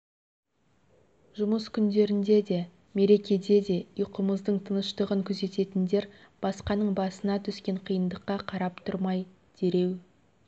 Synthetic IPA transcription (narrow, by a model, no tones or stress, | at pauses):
ʒʊməskʲʰʏnd̪e̞ɾɪnd̪e̞d̪e̞ | me̞ɾe̞kʲe̞d̪e̞d̪e̞ijqəməzd̪əɴt̪ʰənəʃt̪əʁəŋkʲʰɵze̞t̪e̞t̪ɪnd̪e̞ɾ | b̥ɑsqɑnəɴbɑsənɑt̪ʰʏskʲe̞ɴqʰijənd̪əqːɑqʰɑɾɑpt̪ʰʊɾmɑj | d̪̥e̞ɾe̞w